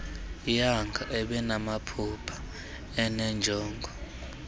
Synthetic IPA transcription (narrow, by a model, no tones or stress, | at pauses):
jaŋɡʱaʔɛɓɛnamapʰupʰḁ | ɛnɛnd͡ʒʱɔːŋɡʱɔ